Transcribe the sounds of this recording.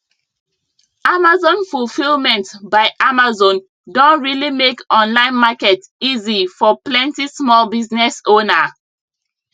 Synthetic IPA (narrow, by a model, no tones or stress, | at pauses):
amazɔ̃nfulfilˠmɛ̃ntbaɪʔamazɔ̃n | dõntɹilimekɔ̃nlãɪ̃nmakɛtizifɔplɛ̃ntismɔlbiznɛsõna